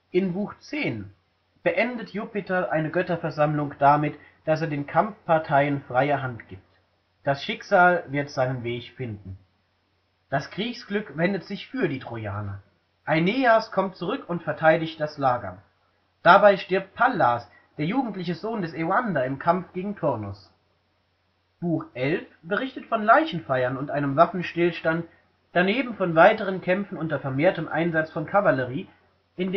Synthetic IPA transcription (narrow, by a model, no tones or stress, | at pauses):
ʔɪnbuːxt͡seːn | b̥əʔɛndətʰjupɪtɐʔaɪnəɡœtɐfɛɐzamlʊŋd̥amɪt | d̥aseːɐdeːnkʰamfpʰaɐtʰaɪənfʁ̥aɪɐɦantɡ̥iːp̚t | d̥asʃɪkz̥aːlvɪɐtz̥aɪnənveːçfɪndn̩ | d̥asɡ̥ʁ̥iːçsɡ̥lʏkvɛndətz̥ɪçfyːɐdiːtʁ̥oja̰ːnɐ̰ | ʔaɪneːaskʰɔmt̚t͡suʁʏkʊntfɛɐtʰaɪdɪçt̚d̥aslaːɡɐ̰ | d̥abaɪʃtɪɐp̚t̚pʰalːas | d̥eːɐjuːɡŋ̩tlɪçəzoːndɛseʊandaɪmkʰamfɡ̥eːɡŋ̩tʰʊɐnʊs | b̥uːxʔɛlfb̥əʁɪçtətfɔnlaɪçn̩faɪɐnʊntʔaɪnəmvafn̩ʃtɪlʃtant | d̥aneːbm̩fɔnvaɪtəʁ̞ənkʰɛmfn̩ʊntɐfɛɐmeːɐtəmʔa̰ɪnzat͡sfɔnkʰavaləʁ̞iː | ʔɪnd